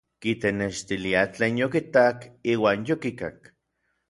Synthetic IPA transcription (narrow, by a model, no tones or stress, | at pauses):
kit̪eneʃt̪iliat͡ɬeːnjokit̪akiːwaːnjokikak